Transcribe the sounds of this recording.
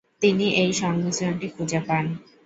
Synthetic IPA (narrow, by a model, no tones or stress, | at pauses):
t̪iniʔejʃɔŋmit͡ɕoɳʈikʰud͡ʑepan